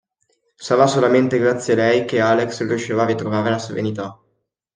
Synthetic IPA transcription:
savasolament̪eɡɾat̪sːjealɛjkeaːlekskoʃeːvavit̪ɾovaːɾelaseɾḛnit̪a

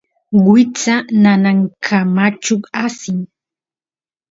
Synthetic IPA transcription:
wɪt͡sananaŋkʰamat͡ʃʊasɪŋ

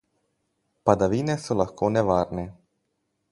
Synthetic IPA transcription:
pad̪aʋiːnɛsɔlaxkoːnɛʋaːɾnɛ

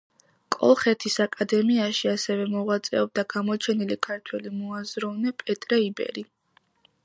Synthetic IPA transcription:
kʼɔ̰lˠχɛt̪ʰisakʼad̪ɛmiaʃiasɛvɛmɔʁwat̪sʼɛɔb̚d̪aɡamɔt͡ʃʰɛnilikʰaɾt̪ʰwɛlimɔazɾɔvnɛpʼɛt̪ʼɾɛibɛ̰ɾi

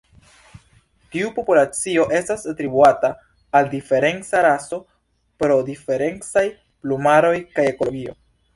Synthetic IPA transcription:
tiupo̞pulat͡sio̞ʔe̞stasatɾibuataː | ldife̞ɾe̞nt͡saɾaso̞ | pɾo̞dife̞ɾe̞nt͡saj | plumaɾo̞jkaje̞ko̞lo̞ɡio̞̰

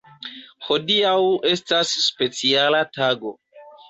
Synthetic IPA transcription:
ho̞diawe̞stasːpe̞t͡sialataɡo̞

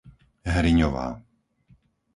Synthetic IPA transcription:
ɦɾiɲɔʋa̰ː

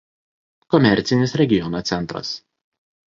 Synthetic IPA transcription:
kɔmʲɛɾʲˑt̪sʲɪnʲɪsɾʲɛɡʲɪjɔnot̪sʲɛnˑt̪ɾɐ̰s

